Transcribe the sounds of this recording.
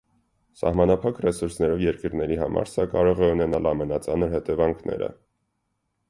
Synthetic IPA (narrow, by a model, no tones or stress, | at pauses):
sɑ̰hmɑnɑpʰɑkrɛsuɾsnɛɾɔvjɛɾkəɾnɛɾiɦɑmɑ̰ɾsɑkɑɾɔʁɛunɛnɑlɑmɛnɑt͡sɑnəɾhɛt̪ɛvɑŋkʰnɛ̰ɾə̰